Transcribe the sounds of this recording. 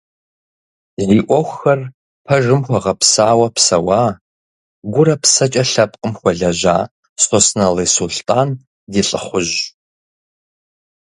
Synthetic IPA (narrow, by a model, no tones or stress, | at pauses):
ziːʔʷɔxʷxɐr | pʰɐʒɨmxʷɔʁɐpsaːwɐpsɐwaː | ɡʷʊɾɐpsɐt͡ʃʼɐɬɐpʼqʼəmxʷɔɮɐʑaː | sosnɐleːsulɬtʼaːn | diːɬʼə̰χʷʊʒ